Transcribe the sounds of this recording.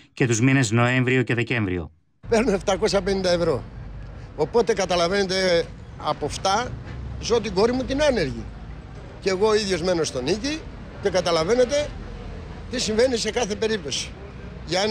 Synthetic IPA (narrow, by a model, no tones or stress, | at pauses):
ce̞t̪uzmine̞zno̞e̞ɱvɾioce̞ðe̞ce̞ɱvɾḭo̰ | pe̞ɾno̞eft̪ɐko̞sɐpe̞nind̪ɐevɾo̞ | opo̞t̪e̞kɐt̪ɐlɐve̞ne̞t̪e̞ | ɐpo̞ft̪ɐzot̪iɡo̞ɾimut̪inɐne̞ɾʝi | ceɣo̞iðʝo̞zme̞no̞st̪o̞nici | ce̞kɐt̪ɐlɐve̞ne̞t̪e̞ | t̪isiɱve̞nise̞kɐθe̞pe̞ɾip̚t̪o̞si̥ | ʝɐ